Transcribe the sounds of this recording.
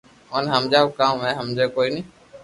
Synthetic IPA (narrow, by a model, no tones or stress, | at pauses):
ɦənɦəmd͡ʒaːkãːmɛ̃ːɦəmd͡ʒeːkoːiːnĩː